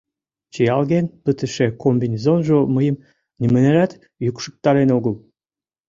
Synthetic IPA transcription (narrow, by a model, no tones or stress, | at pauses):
t͡ɕijɑlɣenpət̪ə̆ʃekombinʲizonʒoməjəm | nimə̆neɾɑt̪ | jukʃək̚t̪ɑɾenoɣəl